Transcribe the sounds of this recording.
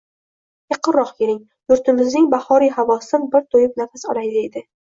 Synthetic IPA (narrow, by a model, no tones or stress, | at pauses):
jɑqʰɨɾɾɒqkʲʰeɾɪŋ | jʊɾt̪ʰɪmɪznɪŋbahɒɾijɦavɒsɪnbɪɾt̪ʰojɪp̚nafasɒ̰lajd̪ɪed̪ɪ